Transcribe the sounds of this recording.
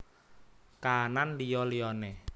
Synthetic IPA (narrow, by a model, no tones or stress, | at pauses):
kananlijɔliɔnɛ